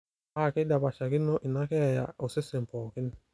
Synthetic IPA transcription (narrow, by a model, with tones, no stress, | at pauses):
a˦˨kɪ˦da˨ba˨ʃa˨kɪ˦no˦ʔi˨na˦kɛ˦˨ja̰˨ʊ˨sɪ˦se˨m̩˨pɔː˨kɪ˦n˦